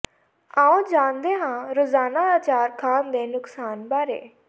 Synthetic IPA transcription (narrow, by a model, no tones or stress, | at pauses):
ãːõːd͡ʒaːnd̪eːɦãːɾoːzaːnaːaːt͡ʃaːɾkʰaːnd̪eːnʊksaːnbaːɾḛː